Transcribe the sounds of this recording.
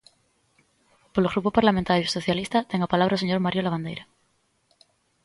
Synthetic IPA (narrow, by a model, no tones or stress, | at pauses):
poloɣɾupopaɾlamẽnt̪aɾjosoθjalist̪at̪eŋapalaβɾaoseɲo̞ɾmaɾjolaβand̪ejɾa